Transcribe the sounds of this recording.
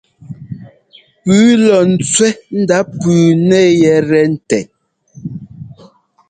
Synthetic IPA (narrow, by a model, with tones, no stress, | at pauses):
pʉː˨˦lɔ˨n̩˨t͡swɛ˦n̩˦da˨˦pʉː˨nɛ˦˨jɛ˨ɾɛ˨n̩˨tɛ˨